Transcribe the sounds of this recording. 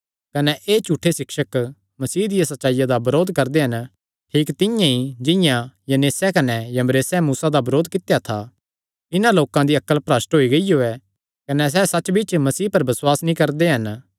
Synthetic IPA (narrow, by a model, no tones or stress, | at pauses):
kɐnɛʔeːt͡ʃuːʈʰːesɪkʃək | mɐsiːd̪ɪjasɐtːʃaːijad̪abɐɾoːd̪kɐɾd̪eɦɐn | ʈʰiːkt̪ɪ̃jãid͡ʒɪ̃jãjɐneːsɛkɐnɛjɐmɾeːsɛmuːsad̪abɐɾoːd̪kɪt̪ejat̪ʰa | ɪnãloːkãd̪iɐkːəlpɾɐːsʈɦoːiɡɐijoɛ | kɐnɛs̬ɛsɐt͡ʃbɪt͡ʃmɐsiːpɐɾbɐswaːsnĩkɐɾd̪eɦɐn